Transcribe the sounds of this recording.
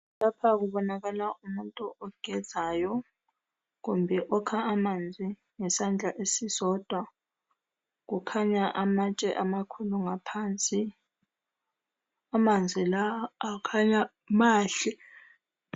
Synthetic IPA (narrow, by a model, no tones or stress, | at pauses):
lapʰak̬uɓɔnak̬alaumuntʼuʔɔɡ̥ʱɛ̥z̥ʱaːjɔ | k̬umbʱɛʔɔkʰaːmand͡zʱi | ŋɛsand͡ɮʱaʔesisɔːd̥ʱwa | k̬ukʰaɲaʔamat͡ʃʼɛ̰ʔamakʰuluŋapʰaːnt͡sʼi | amand͡zʱilaːkʰaɲa | maːɬɛ